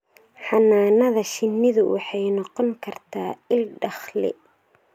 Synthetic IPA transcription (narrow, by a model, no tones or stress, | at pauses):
ħɑnaːnɐðɐʃɪnːɪðʊwʔɑ̰ħɑjnɑqɔŋkʰɐrt̪ʰaːɪlɖɑχlɪ̰